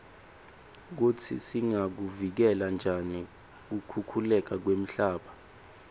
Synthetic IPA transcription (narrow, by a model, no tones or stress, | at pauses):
k̬utʰḭsiŋak̬uvik̬ɛland͡ʒʱani | k̬ukʰukʰulɛk̬ak̬wem̩ɬaːɓa